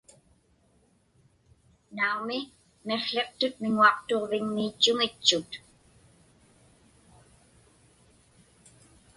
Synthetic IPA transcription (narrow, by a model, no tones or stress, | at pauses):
naumɪ | me̞χɬeqt̪ʊt̪̚mɪŋuɑqt̪oʁvɪŋmiːt͡ʃːʊŋɪt͡ʃːʊt̪